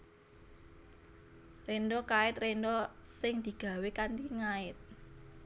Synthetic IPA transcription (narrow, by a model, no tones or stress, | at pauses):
rendɔkaɪt̪rendɔsɪŋd̪̥i̤ɡ̥a̤wekankiŋaɪt̪̚